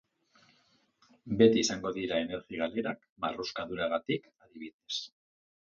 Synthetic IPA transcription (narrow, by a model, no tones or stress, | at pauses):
be̞t̪iːsaŋɡo̞ðiɾae̞ne̞ɾɣiɣaleɾak | ba̰ruskaðuɾaɣ̞at̪ikaðiβ̞iðe̞s